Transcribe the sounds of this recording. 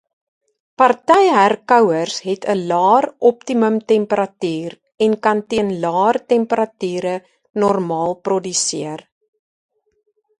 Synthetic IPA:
pɐrtɛjɦærkœwərsɦɛtʰəlɑːrɔptiməmtɛmpəɾɐtyːr | ɛnkɐntiənlɑːrtɛmpəɾɐtyːɾə | nɔrmɑːlˠprɔdysiər

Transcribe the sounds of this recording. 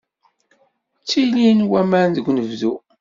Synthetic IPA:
t͡sːilinwæmæɾnðəɡʷnəvðu

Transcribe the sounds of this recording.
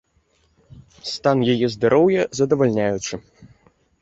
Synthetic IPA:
st̪anjajɛzd̪aɾɔwjɐzɐd̪ɐvalʲnʲajut͡ʂɨ

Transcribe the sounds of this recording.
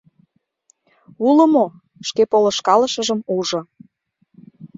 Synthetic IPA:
ulə̆mo | ʃkepolə̆ʃkɑlə̆ʃəʒəmuʒŏ

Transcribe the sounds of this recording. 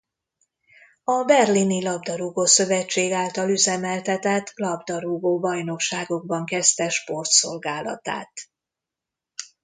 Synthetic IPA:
ɒbɛrlinilɒbd̪ɒɾuɡoːsø̞vɛt͡ʃːeːɡaːlt̪ɒlyzɛmɛlt̪ɛt̪ɛt̪ːlɒbd̪ɒɾuɡoːbɒjno̞kʃaːɡo̞ɡ̚bɒŋkɛst̪ɛʃpo̞rt̪so̞lɡaːlɒ̰t̪a̰ːt̪

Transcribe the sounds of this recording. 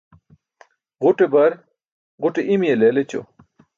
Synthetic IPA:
ʁuʈebɐɾ | ʁuʈeʔimjeleːlet͡ɕo̰

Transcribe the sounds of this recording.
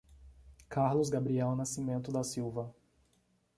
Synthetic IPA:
kaɾlʊzɡabɾiɛwnasimẽnt̪ʊd̪ɐsiwvɐ

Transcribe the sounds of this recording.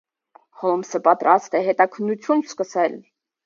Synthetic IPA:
hɔmsəpɑt̪ɾʔɑst̪ɛɦɛt̪ɑkʰənːut͡sʰjunskəsɛl

